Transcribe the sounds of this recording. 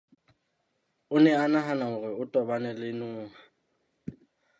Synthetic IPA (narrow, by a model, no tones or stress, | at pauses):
ʊnɛanaɦanaʊrɪʊtʼɔbanɛlɪnʊːŋa